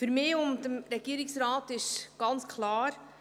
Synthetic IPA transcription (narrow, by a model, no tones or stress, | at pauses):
fyɾmɪːʊndəmɾɛɡ̥iəɾɪksɾaːtɪʃɡ̥ɑnt͡skʰlɑːɾ